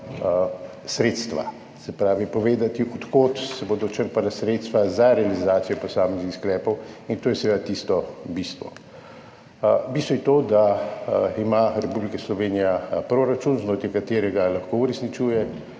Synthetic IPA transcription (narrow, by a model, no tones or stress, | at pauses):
sɾeːt̪st̪ʋa̰ | sɛpɾaːʋipɔʋeːd̪at̪iʔɔt̪koːt̪sɛboːd̪ɔt͡ʃəɾpalasɾeːt̪st̪ʋazaɾɛalizaːt̪sijɛpɔsaːmɛznixsklɛːpɔwint̪oːjɛsɛʋeːd̪at̪iːst̪ɔbist̪ʋɔ̰ | bist̪ʋɔjɛt̪od̪a | imaɾɛpublikɛslɔʋeːnijapɾoːɾat͡ʃunznot̪ikat̪eːɾɛɡalaxkouɾɛsnit͡ʃuːjɛ